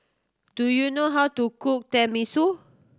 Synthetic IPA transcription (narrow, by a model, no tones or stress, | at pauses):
dujunoɦawtukuk̚tɛ̃misu